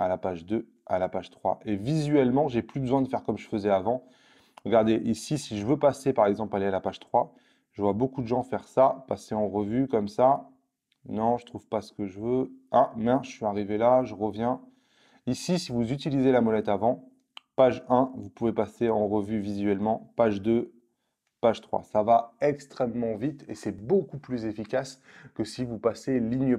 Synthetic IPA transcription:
alapaʒd̪ø | alapaʒt̪χwa̰ʔevizɥɛlmɑ̃ʒeplybəzwɛ̃d̪əfɛʁkɔmʒəfəzɛavɑ̃ | ʁəɡaʁd̪eʔisisiʒəvøpasepaʁɛɡzɑ̃plalealapaʒ̥t̪χwa | ʒ̥əvwabokud̪əʒɑ̃fɛʁsapaseɑ̃ʁəvykɔmsa | nɔ̃ʒət̪χuv̥pasə̥kəʒəvøɛ̃mɛ̃ʒəsɥiaʁivelaʒəʁəvjɛ̃ | isisivuzyt̪̬ilizelamɔlɛt̪avɑ̃ | paʒɛ̃vupuvepaseɑ̃ʁəvyvizɥɛlmɑ̃paʒd̪ø | paʒt̪χwa̰savaɛkst̪χɛmːɑ̃vit̪esɛbokuplyzefikʲas | kəsivupaseliɲə

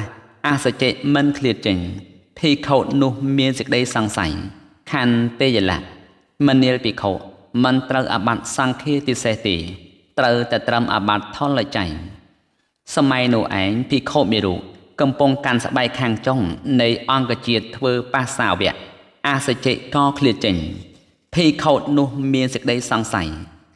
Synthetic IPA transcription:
ʔahsat͡ɕeːʔmɨnkʰliət̪̚t͡ɕəɲ | pʰiːkʰoːt̪̚nʊ̆əhmiənsəkəɗəjsɑŋsa̰j | kʰaːnt̪eːjala̰ʔ | mɨnːiəlpiːkʰoːʔ | mɨnt̪rəwʔa̰ːɓat̪̚sɑŋkʰiət̪iseht̪eː | t̪rəwt̪aɛt̪rəmʔa̰ɓat̪ʰːolləc̚t͡ɕaj | sɑmaɛnʊ̆əhʔa̰ɛŋpʰiːkʰoːʔ̪̚miəɾuːʔ̚kɑmpʊŋkans̆ɓaɛkkʰːaːŋt͡ɕoŋnɨjʔɑŋkăt͡ɕiət̪ʰːʋəːpahsaːʋɛ̆əʔ | ʔasat͡ɕeːʔkɑːkʰliət͡ɕəɲ | pʰiːkʰoːt̪̚nʊ̆əhmiənsək̚ɗəjsɑŋsa̰j

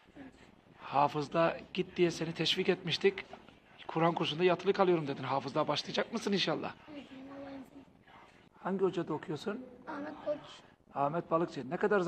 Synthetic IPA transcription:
haːfɯzd̪aɟ̥it̪̚d̪ijɛsenit̪ʰɛʃvicɛt̪miʃt̪ʰic | kʰuɾankʰuʃund̪ajat̪ʰɯlˠɯkʰalˠɯjo̞ɾumd̪ed̪inɦaːfɯzd̪abaʃlˠɯjad͡ʒak̚mɯsɯninʃalˠːa̰h | haɲɟio̞d͡ʒad̪aokʰujosun | aːmɛt̪̚balˠɯkt͡ʃʰenɛkad̪aɾz

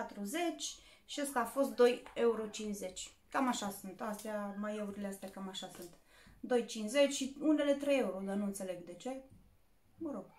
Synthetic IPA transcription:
pat̪ɾuze̞t͡ʃʲ | ʃeskafo̞st̪̚d̪o̞je̞uɾot͡ʃinze̞t͡ʃʲ | kamaʃasunt̪ast̪eamajeuɾileast̪eakamaʃasunt̪ | d̪o̞jt͡ʃinsze̞t͡ʃʲʃiune̞le̞t̪ɾeje̞uɾod̪anuɨnt̪se̞le̞ɡd̪e̞t͡ʃeej | məɾo̞ɡ̥

